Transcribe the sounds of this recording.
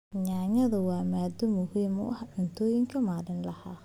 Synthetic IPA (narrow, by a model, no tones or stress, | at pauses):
ɲaːŋɐðɐwɑːmaːd̪ɔmʊhiːmʊ̰ʔɐhɖʊnt̪ʰɔːjɪŋkʰɐmaːlɪnlɐhaː